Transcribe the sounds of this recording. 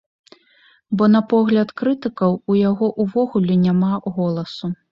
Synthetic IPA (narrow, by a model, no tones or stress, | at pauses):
bɔn̪ɐpɔɣlʲɐt̪kɾɨt̪ɨkɐwujaɣɔʔuvɔɣulʲɛnʲamaɣɔlˠɐsu